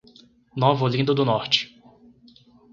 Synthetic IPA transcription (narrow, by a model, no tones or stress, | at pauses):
novʊlĩd̪ʊd̪ʊnɔɾt͡ʃɪ̥